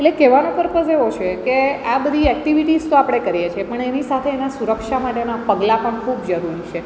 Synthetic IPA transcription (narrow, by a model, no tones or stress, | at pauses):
eʈlekeʋanepəɾpəseʋot͡ʃʰekeabəd̪ʱiɛkʈiʋiʈizt̪oapɽ̃ekəɾijet͡ʃʰepəɳenisat̪ʰeːnasuɾəkʃamaʈenapəɡlapəɳkʰubd͡ʒəɾuɾit͡ʃʰe